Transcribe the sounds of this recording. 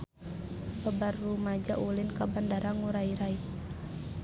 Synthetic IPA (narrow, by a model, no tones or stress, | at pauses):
bəbarːumad͡ʒaʔulinkabandaɾaŋuɾaiɾai